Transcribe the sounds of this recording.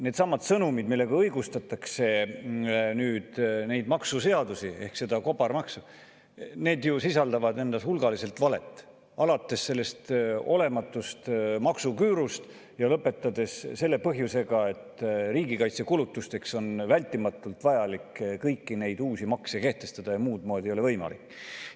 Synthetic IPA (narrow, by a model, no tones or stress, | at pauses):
ne̞ːt̪sɑmːɑt̪sɤnumid̪milːe̞ɡ̥ɑɤjɡust̪ɑt̪ːˑɑkse̞ | nyːd̪̥ne̞jd̪mɑksuse̞ɑd̪usie̞̰hkse̞d̪ɑko̞bɑɾmɑksu | ne̞ːd̪jusisɑld̪ɑvɑd̪e̞nd̪̥ɑshulɡɑlise̞lt̪vɑle̞t̪ːˑ | ɑlɑt̪ːˑe̞sːe̞lːe̞st̪o̞le̞mɑt̪ːˑust̪mɑksukyːɾust̪ | jɑlɤpːe̞t̪ːˑɑd̪̥e̞sse̞lːe̞pɤɦjuse̞ɡɑe̞t̪ːriːɡikɑjt̪sekulut̪ːˑust̪e̞kso̞nvælʲt̪ːˑimɑt̪ːˑult̪vɑjɑlikːkɤjkːine̞jd̪̥uːsimɑksjɑke̞ht̪e̞st̪ɑd̪̥ɑjɑmuːd̪̚moːd̪ʲiejolevɤjmɑ̰likː